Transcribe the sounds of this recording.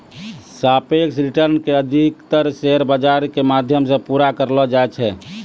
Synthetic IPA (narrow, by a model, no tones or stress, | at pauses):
sapeksɾiʈəɾnkeəd̪ʱikt̪əɾseɦɾbəd͡ʒaɾkemad̪ʱjəmsə̃puɾakəɾlɔd͡ʒaɛt͡ʃʰɛ